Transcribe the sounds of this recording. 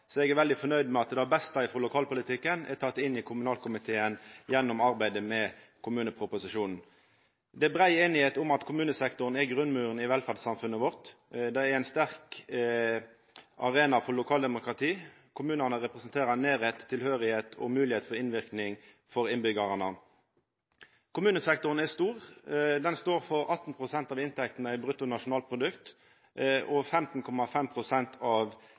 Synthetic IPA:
sɔɛɡɛɾʋɛld̪ɪfɔnœʏd̪mɛɑt̪d̪ɑbɛst̪ɑɪfɾɔlʊkʰɑːlpʊlɪt̪ʰɪkːənɛ̰ɾt̪ʰɑt̪ːɪnːɪkʰʊmʉnɑːlkʰʊmɪt̪ʰeːənjɛnːʊmɑɾbæɪd̪əmɛ | kʰʊmʉːnəpʰʁʊpʊsɪʂuːnn̩ | d̪ɛbɾæɪeːnɪheːt̪ʊmɑt̪kʰʊmʉːnəsɛkt̪ʊʁənɛɡʁʉnːmʉːʁənɪʋɛlfæʁd̪sɑmfʉnːəʋɔʁt̪d̪ɛɛæɪnst̪æʁk | ʔɑ̰ʁeːnɑfɔlʊkʰɑːld̪ɛmʊkʁɑt̪ʰiː | kʰʊmʉːnənəʁɛpʁɛsnt̪ʰeːʁɑneːʁɛt̪ʰːɪlhøːʁɪheːt̪ʰɔ̰mʉːlɪheːt̪fɔʁɪnʋɪʁknɪŋ | fɔɾɪnbʏɡɑʁnə | kʰʊmʉːnəsɛkt̪ʊʁən̩ɛst̪uːʁd̪ɛnst̪oːʁfɔʁɑt̪n̩pʰʁʊsɛnt̪ɑːʋɪnt̪ʰɛkt̪n̩əæɪbɾʁʉt̪ːʊnɑʂʊnɑːl̚pʰʁʊd̪ʉkt̪ | ʔɔfɛmt̪n̩kʰɔmɑfɛmpʰʁʊsɛnt̪ʰɑʋ

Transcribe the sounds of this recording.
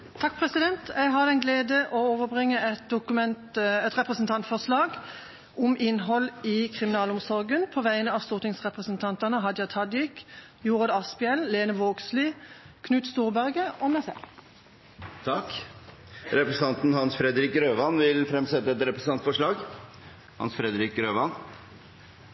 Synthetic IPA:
t̪ʰɑk̚ːpʰʁɛsɪd̪ɛnt̪ʰjæɪɦɑd̪ɛɪnɡleːd̪əʔɔoːʋəbʁɪŋːəɛt̪̚d̪ʊkʉmɛnt̪ɛt̪ʁɛpʁəsnt̪ʰɑnt̪fɔʂlɑːɡ | ʔʊmɪnɦɔlɪkʰʁɪmɪnɑːlɔmsɔʁɡənpʰoʋæɪənəɑːʋst̪uːʁt̪ɪŋsʁɛpʁəsənt̪ʰɑnt̪ɑnəɦɑd̪jɑt̪ʰɑd̪ɪk | juːʁɑd̪ɑspɪɛlleːnəʋoːɡsliː | kʰnʉːt̪st̪uːʁbæʁɡəɔmɛsɛ̰ | t̪ʰɑk | ɾɛpɾəs̩ʰɑnt̪n̩hɑnsfɾɛd̪ɾɪkɾøːʋɑnʋɪlfɾɛmsɛt̪ːəɛt̪ɾɛpɾəsn̩ɑnt̪fɔʂɭɑːɡ | hɑ̰nsfɾɛd̪ɾɪkɾøːʋɑn

